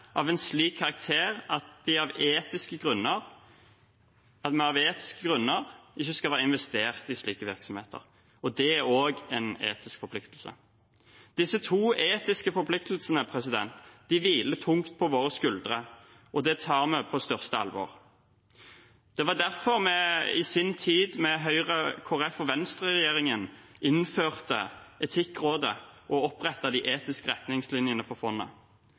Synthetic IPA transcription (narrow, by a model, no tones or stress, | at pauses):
ʔɑʋɛnsliːkʰːɑʁɑk̚t̪ʰeːʁɑt̪̚d̪ɪɑʋeːt̪ɪskəɡʁʉnːəʁ | ɑt̪mɛɑʋeːt̪ɪ̥skəɡʁʉnːəʁʔɪçːəskɑlʋæːəɪnʋɛst̪eːʁt̪ɪsliːkəʋɪʁksɔmheːt̪ʰə̰ʁ | ɔd̪ɛæoːɡɛnḛːt̪ɪskfɔɾpʰlɪkt̪lsə̰ | d̪̥ɪsːət̪ʰuːeːt̪ɪskəfɔɾpʰlɪkt̪l̩sənəpʰʁɛs̬ɪd̪ɛ̰nt̪d̪̥ɪʋiːlət̪ʰʊŋt̪̚pʰɔʋoːʁəskʉld̪ʁə | ʔɔd̪ɛt̪ʰɑːʁmɛpʰɔst̪œʁst̪əɑ̰lʋɔ̰ːʁ | d̪̥ɛʋɑd̪æʁfɔʁmɛɪ̰sɪnt̪ʰiːd̪mɛɦœʏʁəkʰoːɛfɔʋɛnst̪ʁɛʁɛjeːʁɪŋən | ɪnføːʁt̪ə̰ɛt̪ʰɪkːʁoːd̪əʔɔɔpʁɛt̪ːɑd̪iʔeːt̪ɪskəʁɛt̪nɪŋslɪnjənəfɔʁfɔnːə̰